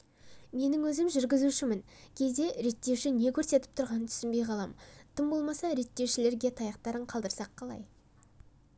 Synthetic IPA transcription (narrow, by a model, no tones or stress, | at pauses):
me̞nɪŋwɵzɪmʒʏɾɡʲɪzuʃɪmɪn | kʲʰe̞zd̪e̞ɾe̞t̪ːe̞wʃɪne̞kʲʰɵɾse̞t̪ɪ̥p̚t̪ʰʊɾʁɑnənt̪ʰʏ̥sɪnbe̞jqʰɑlˠɑ̰mt̪ʰəmbo̞lˠmɑsɑɾe̞t̪ːe̞wʃɪle̞ɾɡʲe̞t̪ʰɑjɑqt̪ɑɾəɴqʰɑlˠd̪əɾsɑqʰːɑlˠɑ̰j